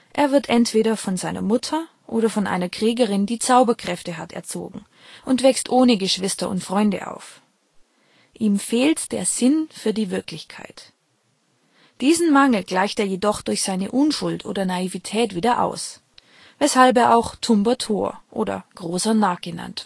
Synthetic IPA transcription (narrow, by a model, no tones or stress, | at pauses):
ʔeːɐvɪɐtʔɛntv̥eːɾɐfɔnzaɪnɐ̰mʊtʰɐ | ʔoːɾɐfɔnʔa̰ɪnɐkʁ̥ɛːɡəʁɪndiːt͡saʊbɐkʁ̥ɛftəɦatʰɛ̰ɐt͡so̰ːɡŋ̩ | ʔʊntv̥ɛkstʔoːnəɡəʃv̥ɪstɐʊ̰ntfʁ̥ɔʏndə̰ʔa̰ʊf | ʔiːmfeːltd̥ḛːɐzɪnfyːɐdiːvɪɐklɪçkʰa̰ɪt | d̥iːzn̩maŋl̩ɡ̥laɪçteːɐjeːdɔχd̥ʊɐçz̥aɪnəʔʊnʃʊltʰʔo̰ːdɐnaivitʰɛːtv̥iːdɐʔa̰ʊs | vɛshalp̬eːɐʔaʊxtʰʊmbɐtʰo̰ːɐʔo̰ːdɐ̰ɡ̥ʁoːsɐnaːɡ̥əna̰nt